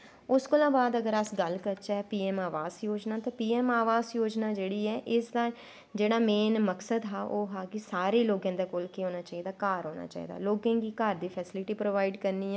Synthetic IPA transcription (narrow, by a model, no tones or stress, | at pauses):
ʊskəlãːbaːd̪əɡəɾəsɡəlkəɾt͡ʃɛːpiːɛːmaːʋaːzjoːd͡ʒnaːt̪ãːpiːɛːmaːʋaːzjoːd͡ʒnaːd͡ʒeːɽiːɛːʔɪsd̪aː | d͡ʒeːɽaːmeːnməksəd̪ɦaːʔoːɦaːkɪsaːɾeːloːɡãːd̪eːkoːlkɪɦoːnaːt͡ʃaːiːd̪aːkaːɾɦoːna̰ːt͡ʃa̰ːḭːd̪a̰ːloːɡãːɡiːkaɾd̪iːpʰɛːsɪlɪʈiːpɾoːʋaːɪɖkəɾniːɛ̃ː